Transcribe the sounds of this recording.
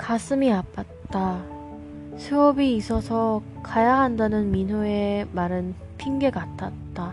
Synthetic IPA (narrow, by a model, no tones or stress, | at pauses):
kas͈ʰɯmiap͈at̚t͈a | sʰɯʌbiːs͈ʰʌsʰʌ | kajaɦandanɯnminɦoemaɾɯn | pʰiŋɡe̞ɡatʰat̚t͈a